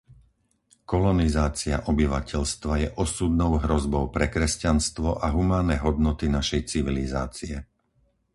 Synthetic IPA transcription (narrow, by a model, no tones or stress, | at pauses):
kɔlɔnizaːt͡sia̰ʔɔbiʋacɛʎst̪ʋajɛʔɔsud̪̚nɔʊɦɾɔzbɔʊpɾɛkɾɛscanst̪ʋɔʔaɦumaːnɛɦɔd̪nɔt̪inaʃɛjt͡siʋilizaːt͡siɛ